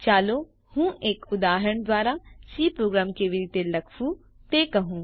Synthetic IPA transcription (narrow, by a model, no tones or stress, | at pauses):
t͡ʃaːlo | hũːeːkʊd̪aːɦəɾəɳ̃d̪ʋaːɾasiːpɾoːɡɾaːmkeʋɪɾɪt̪elɐkʰu | t̪eːkɐɦũː